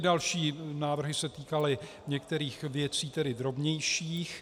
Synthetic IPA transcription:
ɪdalʃiːnaːvr̩ɦɪsɛt̪iːkalɪ | ɲɛkt̪ɛɾiːxvjɛt͡siːt̪ɛdɪd̪ɾo̞bɲɛjʃiːx

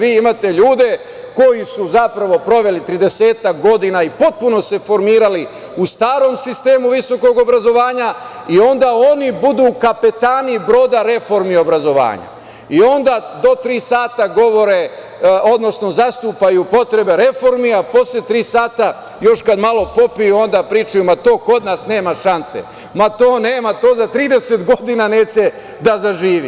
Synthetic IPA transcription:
ʋiːimaːt̪e̞ʎuːd̪e̞ | ko̞jisuzapɾaʋo̞pɾo̞ʋe̞lit̪ɾid̪e̞se̞ːt̪akɡo̞d̪inaipo̞t̪̚puno̞se̞fo̞ɾmiːɾali | ust̪aːɾo̞msist̪e̞ːmuʋiso̞ko̞ɡo̞bɾazo̞ʋaːɲa | io̞nd̪ao̞nibud̪uːkapet̪aːnibɾo̞ːd̪aɾe̞fo̞ɾmio̞bɾazo̞ʋa̰ːɲa̰ | io̞nd̪ad̪o̞t̪ɾiːsaːt̪aɡo̞ʋo̞ɾe | od̪no̞sno̞zast̪uːpajupo̞t̪ɾe̞be̞ɾe̞fo̞ɾmiapo̞slet̪ɾiːsaːt̪a | jo̞ʃkad̪malˠo̞po̞pijuo̞nd̪apɾiːt͡ʃujumat̪oːko̞d̪nasne̞ːmaʃansḛ | mat̪o̞ːneːmat̪o̞ːzat̪ɾiːd̪e̞se̞t̪ɡo̞d̪inaneːt͡ɕe̞ | d̪azaʒiːʋḭ

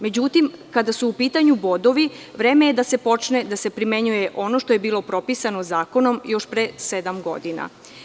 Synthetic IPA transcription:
me̞d͡ʑut̪imkad̪asuːpiːt̪aɲubo̞d̪o̞ʋiʋɾe̞ːme̞jed̪ase̞po̞t͡ʃne̞d̪ase̞pɾime̞ɲuje̞ʔo̞no̞ʃt̪o̞je̞biːlˠo̞pɾo̞pisano̞zaːko̞no̞mjo̞ʃpɾesed̪amɡo̞̰d̪ina̰

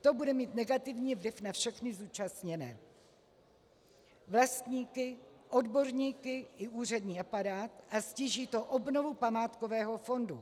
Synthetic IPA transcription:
t̪o̞budɛmiːt̪nɛɡat̪ɪvɲiːvlɪfnafʃɛxnɪzuːt͡ʃast̪ɲɛnɛː | vlast̪ɲiːkɪʔo̞dbo̞ɾɲiːkɪʔɪʔuːr̝ɛdɲiːapaɾaːt̪ʔasciːʒiːt̪o̞ʔobnovupamaːt̪ko̞vɛːɦo̞fo̞ndu

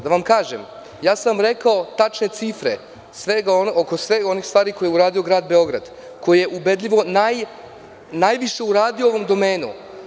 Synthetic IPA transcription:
d̪aʋamkaːʒḛm | jaːsamɾe̞kao̞t̪at͡ʃne̞t̪sifɾḛ | sʋeɡaookosʋeɡo̞nixst̪ʋaːɾiko̞jeuɾaːd̪io̞ɡɾaːd̪be̞o̞ɡɾa̰d̪ | ko̞jijeʔube̞d̪lʎʲiʋo̞naj | najʋiʃe̞uɾaːd̪iooʋo̞md̪o̞meːnṵ

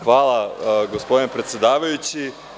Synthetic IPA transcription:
xʋaːlˠaɡospod̪inepɾe̞t̪sjed̪aːʋajut͡ɕi

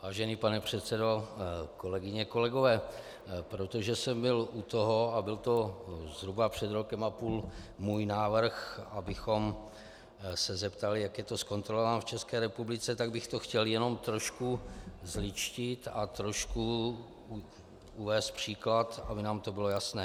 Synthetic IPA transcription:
vaːʒɛniːpanɛpr̝̥ɛt̪sɛdo̞ko̞lɛɡɪɲɛko̞lɛɡo̞vɛː | pɾot̪o̞ʒɛsɛmbɪlʔut̪oɦo̞abɪlt̪o̞zɦɾubapr̝̥ɛd̪ɾo̞kɛmapuːlmuːjnaːvr̩xʔabɪxo̞m | sɛzɛpt̪alɪjakjɛt̪o̞sko̞nt̪ɾolovanft͡ʃɛskɛːɾɛpublɪt͡sɛt̪aɡbɪxt̪o̞xcɛljɛno̞mt̪ɾo̞ʃkuzlɪt͡ʃcɪt̪at̪ɾo̞ʃku | uvɛːst̪̚pr̝̥iːklat̪abɪnaːmt̪o̞bɪlo̞jasnɛː

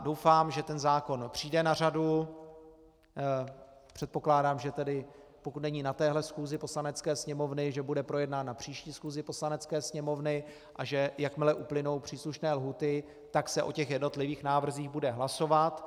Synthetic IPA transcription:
do̞wfaːmʒɛt̪ɛnzaːko̞npr̝̥iːdɛnar̝adu | pr̥ɛt̪̚po̞klaːdaːmʒɛt̪ɛdɪ | pokut̪nɛɲiːnat̪ɛːɦlɛsxuːzɪpo̞slanɛt͡skɛːsɲɛmo̞vnɪʒɛbudɛpɾo̞jɛdnat̪napr̝̥iːʃciːsxuːzɪpo̞slanɛt͡skɛːsɲɛmo̞vnɪ | ʔaʒɛjakmɪlɛʔuplɪno̞wpr̝̥iːsluʃnɛːlɦuːt̪ɪ | t̪aksɛʔo̞cɛxjɛdno̞t̪lɪviːxnaːvr̩ziːxbudɛɦlaso̞vat̪

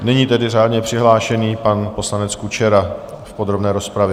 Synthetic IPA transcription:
nɛɲiːt̪ɛdɪraːd̪ɲɛpr̥ɪɦlaːʃɛniːpanpo̞slanɛt͡skut͡ʃɛɾa | fpo̞d̪ɾo̞bnɛːɾo̞spɾavjɛ

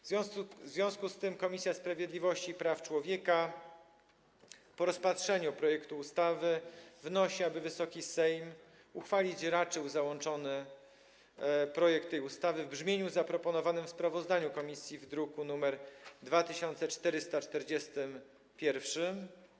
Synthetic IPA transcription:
vzvʲjɔ̃szvʲjɔ̃w̃skust̪ɘmkɔmʲisʲjaspɾavʲjed̪lʲivɔɕt͡ɕipɾaft͡ʂwɔvʲjɛka | pɔɾɔspat̪ʂɛɲupɾɔjɛkt̪uːst̪avɘvnɔɕiabɘvɘsɔkʲisɛjm | uxfalʲit͡ɕɾat͡ʂɘwzawɔnt͡ʂɔnɘ | pɾɔjɛk̚t̪ːɛjust̪avɘvbʐmʲjeɲuzapɾɔpɔnɔvanɘmfspɾavɔzd̪aɲukɔmʲisʲjivd̪ɾukunumɛɾd̪vat̪ɘɕɔnt̪sɛt͡ʂt̪ɛɾɘst̪at͡ʂt̪ɛɾd͡ʑɛst̪ɘm | pʲjɛɾfʂɘm

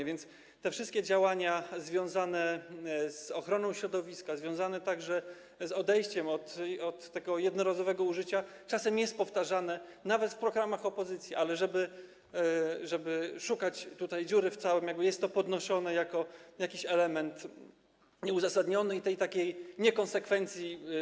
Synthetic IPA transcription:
vʲjɛnt̪s | t̪ɛfʂɘst̪̚kʲɛd͡ʑawaɲazvʲjɔ̃w̃zanɛz̥ɔxɾɔnɔ̃w̃ɕɾɔd̪ɔvʲiskazvʲjɔ̃w̃zanɛt̪aɡʐɛ | zɔd̪ɛjɕt͡ɕɛmɔt̪ɔt̪ːɛɡɔjɛd̪nɔɾazɔvɛɡɔuʐɘt͡ɕa | t͡ʂasɛmjɛst̪̚pɔft̪aʐanɛnavɛt̪fpɾɔɡɾamaxɔpɔzɘt̪sʲjiʔalɛʐɛbɘ | ʐɛbɘʂukat͡ɕt̪ut̪ajd͡ʑuɾɘft̪sawɛmjaɡbɘjɛst̪ːɔpɔd̪nɔʂɔnɛjakɔjakʲiɕɛlɛmɛnt̪ | ɲɛuzasad̪ɲɔnɘit̪ɛjt̪akʲejɲɛkɔnsɛkfɛnt̪sʲji

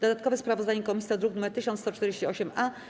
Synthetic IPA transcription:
d̪̥ɔd̪at̪̚kɔvɛspɾavɔzd̪aɲɛkɔmʲisʲiɔd̪ɾuknumɛɾt̪ɘɕɔnt̪st̪ɔt͡ʂt̪ɛɾd͡ʑeɕt͡ɕiɔɕɛma

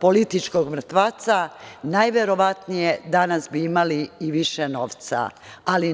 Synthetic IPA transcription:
po̞lit̪it͡ʃkoɡmr̩t̪ʋaːt̪sanajʋe̞ɾo̞ʋat̪nijed̪anasbiimaliːʋiʃeno̞ːʋt̪sa̰ | ali

